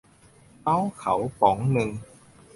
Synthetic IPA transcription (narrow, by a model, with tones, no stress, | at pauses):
ta˦˥wxʰa˨˩˦wpɔː˨˩˦ŋnɯ˨˩ŋ